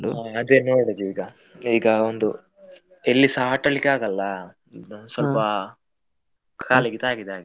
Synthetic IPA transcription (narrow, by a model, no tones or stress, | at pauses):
ɐd̪eːnoːɽɐd̪iiːɡɐ | iːɡɐond̪u | elːisaːʈɐlikaːɡɐlːɐ | sʋɐlpɐ | kʰaːliɡɛt̪aːɡid̪aːɡi